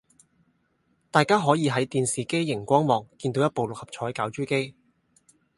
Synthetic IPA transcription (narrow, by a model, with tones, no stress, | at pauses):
t̪aː˨jkaː˥ɦɔː˨˥jiː˨˧ɦɐ˨˥jt̪iː˨nsiː˨ke˥jːɪ˨˩ŋkʷɔː˥ŋmɔː˨ŋkiː˧nt̪o˨˥wjɐ˥t̚po˨wlʊ˨k̚hɐ˨p̚t͡ʃʰɔː˨˥jkaː˨˥wt͡ʃyː˥ke˥j